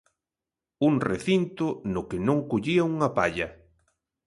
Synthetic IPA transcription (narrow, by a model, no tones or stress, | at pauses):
uŋreθint̪ʊnʊkɪnõŋkoʎiɐuŋɐpaʎɐ